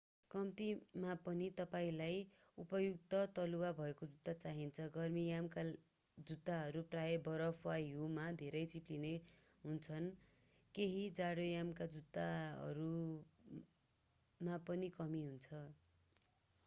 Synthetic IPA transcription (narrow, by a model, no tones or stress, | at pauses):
kʌmt̪imapʌnit̪ʌpaĩlaj | upʌjuk̚t̪ʌt̪ʌluwabʱʌekod͡zut̪ːat͡saɦint͡sʰʌɡʌrmijamka | d͡zut̪ːaɦʌɾuprajebʌɾʌpʰwajɦumad̪ʱeɾʌjt͡sipline | ɦunt͡sʰʌn | keɦid͡zaɽojamkad͡zut̪ːaʌ̰ɾu | mapʌnikʌmiɦunt͡sʰʌ